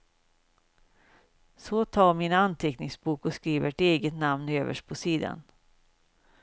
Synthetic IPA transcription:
sɔt̪ʰɑːɾmɪnant̪ʰɛknɪŋsbuːkɔskɾiːvəʈeːɡət̪namnøːvə̰ʂ̚pʰɔsiːd̪a̰n

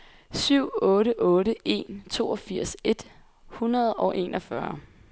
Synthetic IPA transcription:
syʊ̰ɔ̽ːɾəʔɔ̽ːɾəe̝nt͡sʰo̝̰ːɒfiɐ̰se̝d̥ | hunɐð̞̩ˠɒ̽ʔe̝ːnʔɒfɶɐ

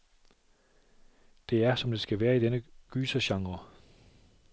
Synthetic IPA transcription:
d̥e̝æɐsɒ̽md̥e̝sɡ̥æʋæːɐid̥enəɡ̥yːsɐɕɑ̈ŋʁɐ

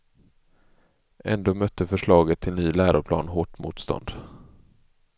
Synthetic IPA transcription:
ʔɛ̰nd̪oːmœt̪ʰːəfœʂɭɑːɡət̪ʰːɪlnyːlæːɾʊɾpʰlɑ̰ːnɦoːʈmṵːt̪st̪ɔ̰nd̪̥

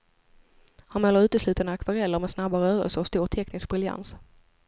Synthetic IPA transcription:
hanmɛlːəɾʉ̟ːt̪əslʉ̟ːt̪anəakʰvaɾɛlːəɾmɛsnabaɾœːɾə̰lsəɾɔst̪uːɾt̪ʰɛknɪsk̚bɾɪlja̰ns

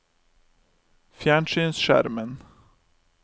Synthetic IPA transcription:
fjæːɳʂyːnsʂæ̰ɾmən

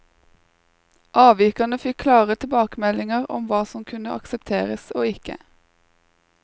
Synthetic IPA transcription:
ʔɑːʋiːkɑnəfɪkkʰlɑːʁət̪ʰɪbɑːkəmɛlɪŋəʁɔ̰mʋɑːsɔmkʰʉnəʔɑ̰ksəpt̪ʰeːʁəsoːɪkə̰

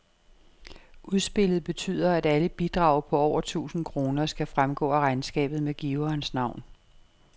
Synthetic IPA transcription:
ʔuð̞ˠsb̥e̝lð̞̩ˠb̥e̝t͡sʰy̰ːð̰ˠɐæd̥æləb̥id̥ʁɑ̈ʊ̰pʰɒ̽ɒʊ̰ɐt͡sʰṵːsn̩kʰʁo̝ːnɐsɡ̥æfʁamɡ̥ɔ̰̽ːæʁɑ̈ɪnsɡ̥ɛ̰ːb̥ð̞̩ˠmeɡ̥iːʊɐːnsnɑ̈ʊ̰n

